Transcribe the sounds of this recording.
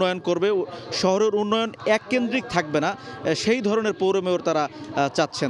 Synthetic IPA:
ɔjonkoɾbeʃɔɦoɾeɾunːɔjonɛkːend̪ɾik̚t̪ʰak̚benaʃejd̪ʱɔɾoneɾpowɾomeoɾt̪aɾat͡ɕat̪ːɕʰen

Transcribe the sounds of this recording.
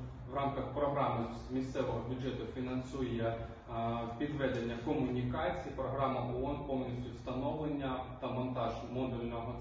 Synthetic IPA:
ʋrɑmkɐxpɾɔɦɾɑmɪ | mʲist̪sɛʋɔɦɔbʲʊdd͡ʒɛt̪ʊfʲinɐnsujɛ | pʲid̪ʋɛd̪enʲːɐkɔmʊnʲikɑt͡sʲijipɾɔɦɾɑmɐʔɔɔnpɔwnʲisʲtʲʊst̪ɐnɔʋlˠenʲːɐt̪ɐmɔnt̪ɑʒmɔd̪ulʲnɔɦɔ

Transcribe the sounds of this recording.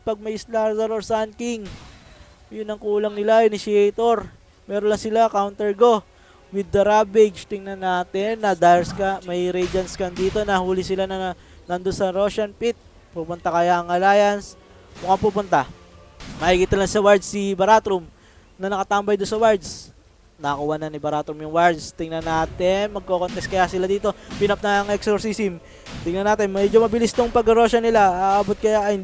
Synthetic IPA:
pɐɡ̚mɐjɪslazɐɾoɹsankiŋ | jʊnːɐŋkuːlɐŋnɪlaʔɪnɪsɪɛjt̪oɾ | mɛːɾonlɐŋsɪlakawnt̪ɛɹɡo̞ | wɪd̪ːɐɾabɪɡst̪ɪŋnɐnaːt̪ɪnːɐd̪ajɾskɐmɐjɾɛd͡ʒɐnskɐnd̪iːt̪o̞nɐhuːlɪsɪlanɐ | nand̪onsɐɾoːʃɐnpit̪̚ | pupʊnt̪akɐjaɐŋɐlaːjɐns | mʊkapuːpʊnt̪a | mɐhiːɡit̪ɐlaŋsɐwaɹd̪̚sːɪbɐɾat̪ɾʊm | nɐnɐkɐt̪ambɐjd̪ʊnsɐwaɹd̪s | nɐkʊwanɐnɪbɐɾat̪ɾʊmjʊŋwaɹd̪st̪ɪŋnɐnaːt̪ɪnmɐɡ̚kokont̪ɛst̪̚kɐjasɪlad̪iːt̪o̞pɪnɐp̚nɐɐŋɛksoɾsisɪm | t̪ɪŋnɐnaːt̪ɪnmɛd͡ʒomɐbɪlist̪oŋpɐɡ̚ɐɾo̞ʃɐnɪlaːʔaːbot̪̚kɐjaɐh

